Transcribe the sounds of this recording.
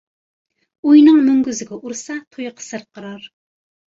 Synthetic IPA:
ujnɨŋmyŋɡʲyzɪɡʲɛʔuɾsɑt̪ʰojqʰə̥sɨɾqəɾɑɾ

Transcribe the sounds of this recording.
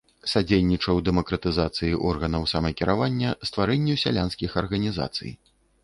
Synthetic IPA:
sad͡zʲejʲnʲit͡ʂɐwd̪ɛmɐkɾɐt̪ɨzat̪sɨjiʔɔrɣɐnɐwsamɐkʲiɾavanʲːɐst̪vaɾɛnʲːusʲa̰lʲanskʲixɐrɣɐnʲiza̰t̪sɨ̰j

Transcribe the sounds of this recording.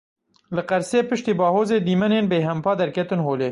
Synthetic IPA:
ləqɐɾsepɪʃt̪ibɑːhoːzed̪imɐnenbeːɦɐmpɑːd̪ɐɾket̪ɨnɦoːle

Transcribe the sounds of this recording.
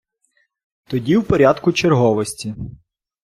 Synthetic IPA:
t̪ɔdʲiwpɔɾʲad̪kʊt͡ʃerɦɔʋɔsʲtʲi

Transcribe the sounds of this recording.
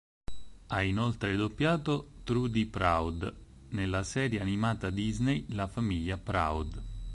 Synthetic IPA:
ainolt̪ɾed̪opːjaːt̪ot̪ɾud̪ipɾawd̪ | nelːasɛːɾjeanimaːt̪ad̪iznejlafamiʎːapɾa̰wd̪

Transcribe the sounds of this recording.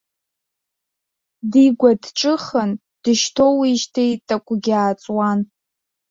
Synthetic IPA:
diɡʷadʈ͡ʂʼɨχən | d̥ɨʃtʰo̞wiʃtʰejtʼakʷʰʼʊɡʲaːt͡sʼwan

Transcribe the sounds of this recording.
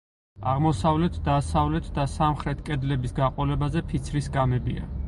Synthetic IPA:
a̰ʁmɔsavlɛt̪ʰd̪asavlɛt̪ʰd̪asamχɾɛt̪ʰkʼɛd̪lɛbisɡaqʼɔlɛbazɛpʰit̪sʰɾisɡamɛbia̰

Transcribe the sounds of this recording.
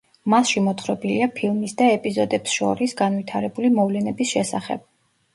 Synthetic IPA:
masʃimɔt̪χɾɔbiliapʰilˠmisd̪aɛpʼizɔd̪ɛpsʃɔ̰ɾisɡanwit̪ʰaɾɛbulimɔvlɛnɛbisʃɛsa̰χɛ̰b̥̚

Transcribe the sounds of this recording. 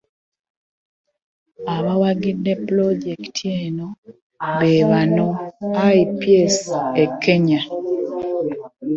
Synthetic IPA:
aβawaɡidːe̞ploɟektʰieːno | βeβanoaipjesekʰːe̞ɲa

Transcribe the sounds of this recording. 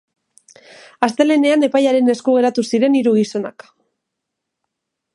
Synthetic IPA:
ast̪e̞le̞ne̞ane̞pajaɾe̞ne̞skuɣ̞e̞ɾat̪usiɾe̞niɾuɣiso̞na̰k

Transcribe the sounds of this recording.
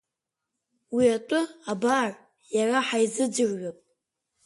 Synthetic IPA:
wiatʷʼʊabar | jaraħajzɨd͡ʒɨrɥapʼ

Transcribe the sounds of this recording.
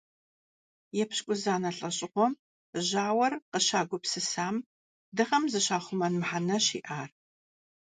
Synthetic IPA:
jɛpɕkʷʼʊzaːnɐɬʼɐɕʼɪʁʷɔm | ʑaːwɐrqəɕaːɡʷʊpsɨsaːm | dɨʁɐmzɨɕaːχʷʊmɐnmħanɐɕḭːʔaːr

